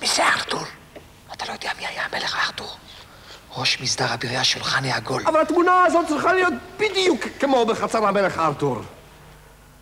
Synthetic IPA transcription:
miseaʁt̪ul | at̪alojod̪ɛjamiajameleχaʁt̪uʁ | ʁo̞ʃmisd̪aʁabiʁijaʃulχaneaɡolavalhat̪munaazot̪̚t͡sʁiχalijo̞t̪̚b̥id̪jukːemo̞beχat͡saɾhameleχːʁt̪uɾ

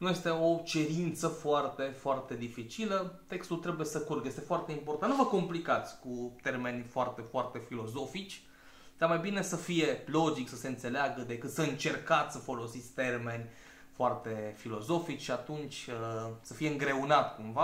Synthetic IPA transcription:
nuje̞st̪e̞o̞t͡ʃe̞ɾint̪səfoart̪e̞foart̪e̞d̪ifit͡ʃilət̪e̞kst̪ult̪ɾe̞buje̞səkurɡəjest̪efoart̪e̞import̪annuvəko̞mplikat̪sʲkut̪e̞rme̞nʲfoart̪e̞foart̪e̞filo̞zo̞fit͡ʃʲ | d̪amajbine̞səfije̞lo̞d͡ʒiksəse̞ɨnt̪se̞leaɡəd̪e̞kɨt̪səɨnt͡ʃe̞rkat̪sʲsəfo̞lo̞sit̪sʲt̪e̞rme̞nʲ | foart̪e̞filo̞zo̞fit͡ʃʲʃiat̪unt͡ʃʲəsəfijeɨŋɡɾe̞unat̪kumva

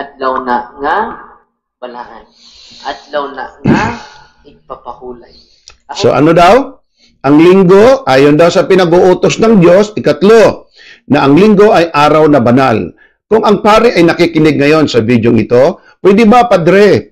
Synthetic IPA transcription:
ʔɐd̪lawnaʔŋa | bɐnahan | ʔad̪lawnaŋ | ɐɡ̚papɐhuːlaj | so̞̰ʔɐ̰nod̪aw | ʔɐŋlɪŋɡo̞ʔaːjond̪awsɐpɪnɐɡoʔuːt̪osnɐŋd̪jo̞sɪkɐt̪lo̞ | nɐʔɐŋlɪŋɡo̞ʔɐjʔaːɾɐwnɐbɐna̰l | kʊŋɐŋpaːɾɪʔɐjnɐkɪkɪnɛɡ̚ŋɐjo̞nsɐbid̪joŋɪt̪o̞ | pwɛd̪ɪbɐpɐd̪ɾɛ

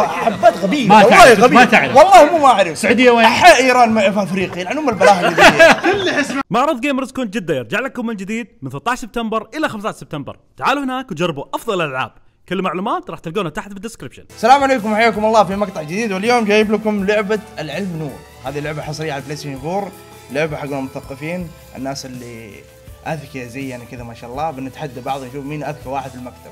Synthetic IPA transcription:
ʔaħabːaːt̪ɣabiːmalaʕːɑːhɣaimat̪aʕlawɑlˤːɑːhmuːmaʔaʕɾɪfsːaʕuːd̪ɪjːaweːħaʔiːɾɑːnmafafɾiːqilʔanʊmalbalaːhd̪ːkʊlːħɪsmamaʕɾˤɨðˤɡeːmɾˤzkuːnt̪d͡ʒɪd̪ːajɑɾˤd͡ʒaʕlakːʊmːɪnd͡ʒɪd̪iːd̪̚mɪnθɪt̪ːˤɑːʃsɪb̚t̪ambɪɾʔɪlːaxamst̪ɑaʃsɪb̚t̪ambɑ̰ɾˤt̪aʕaːluhɪnaːkw̪d͡ʒɑrˤːbuʔɑfðˤɑlʔalʕa̰ːb̥̚ | kalːmaʕluːmaːt̪ɾˤɑːħt̪ɪlɡaːnat̪aħat̪bɪd̪ːɪskɾɪbʃɪ̰nsalaːmʕaleːk̬ʊmħajːaːkʊmɑlˤːɑːfimɑɡt̪ˤɑʕd͡ʒɪd̪iːd̪wɪljoːmd͡ʒaːjːɪblakʊmlʊʕbaɪlʕɪlmnuːɾ | haːðilːʊʕbaħɑsˤɾɪjːaʕalaflasinfuːɾ | lʊʕbaħaɡuːnamʊt̪aθaqːɨfiːn | ʔɪ̰nːaːsɪlːi | ʔaðkizajːankɪðamaːʃaːʔɑlˤːɑːbɪnɪt̪ħad̪ːabɑʕðˤwnʃuːfmiːnʔaðkawaːħɪd̪filmakt̪ʰab̥̚

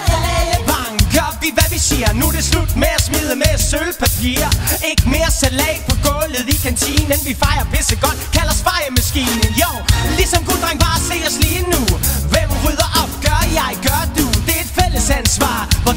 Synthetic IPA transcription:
æləb̥ɑ̈ŋɡ̥ɶɐʋiʋæʋise̝̰ɐnuɾ̥e̝slud̥meæsmið̞ˠəmesølpʰæpʰḭːɐe̝ɡ̥əme̝ːɐsælɛ̰ːpʰɒ̽ɡ̥ɔ̽lð̩ˠikʰænsʰḭːn̩enʋifɑ̈ɪɐpʰesəɡ̥ɒ̽d̥kʰælɐsfɑ̈ɪəmæsɡ̥ḭːnəjoʊlisɒ̽mɡ̥uld̥ʁaŋb̥ɑ̈ːse̝̰ːɒsliːnuʋɛmʁyðˠɐʔɒ̽b̥ɡ̥ɶɐjɑ̈ɪɡ̥ɶɐd̥ud̥e̝e̝d̥fel̰əsænsʋɑ̰̈ːʋɒ

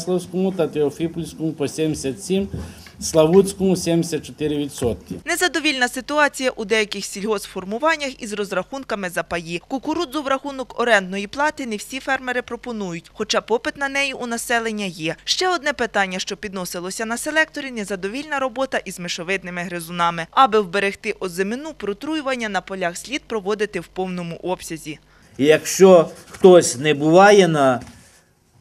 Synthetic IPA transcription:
slˠɐwsʲkɔmʊt̪ɐt̪eɔfʲipulʲsʲkɔmʊpɔsʲɛmʲsʲɐt̪ʲsʲim | slˠɐʋut͡sʲkɔmʊsʲɛmʲsʲɐt̚t͡ʃɔt̪ɪɾɪʋʲid̪sɔt̪̚kɪ̰nezɐd̪ɔʋʲilʲnɐsɪt̪ʊɑt͡sʲijɐʔud̪ɛjɐkɪxsʲilʲɦɔsfɔrmʊʋɑnʲːɐxizrɔzrɐxunkɐmɪzɐpɐjikʊkʊɾud̪zɔwɾɐxunɔkɔɾɛnd̪nɔjiplˠɑt̪ɪnewsʲifɛrmeɾɪpɾɔpɔnujʊtʲxɔt͡ʃɑpɔpɪt̪nɐnɛjiʔunɐsɛlˠenʲːɐjɛʃt͡ʃɛɔd̪nɛpɪt̪ɑnʲːɐʃt͡ʃɔpʲid̪nɔsɪlˠɔsʲɐnɐselˠɛk̚t̪ɔɾʲinɛzɐd̪ɔʋʲilʲnɐɾɔbɔt̪ɐʔizmɪʃɔʋɪd̪nɪmɪɦɾɪzʊnɑmɪɐbɪwbeɾext̪ɪʔɔzemɪnupɾɔt̪ɾujʊʋɐnʲːɐnɐpɔlʲaxsʲlʲid̪̚pɾɔʋɔd̪ɪt̪ɪwpɔwnɔmʊʔɔpsʲɐzʲi | jɐkʃt͡ʃɔxt̪ɔsʲnɛbʊʋɑjɛnɐ

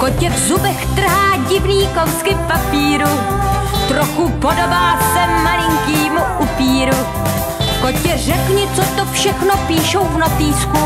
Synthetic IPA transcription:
kocɛvzubɛxt̪r̩ɦaːɟɪvniːkowskɪpapiːɾu | t̪ɾoxupodobaːsɛmalɪŋkiːmuʔupiːɾu | kocɛr̝ɛkɲɪt͡sot̪ofʃɛxnopiːʃowvnopiːsku

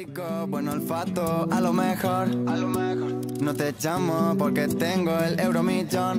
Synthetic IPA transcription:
ikobwenolfat̪oalomexɔɾ | not̪et͡ʃamopɔɾket̪eŋɡoelewɾomit͡ʃɔn

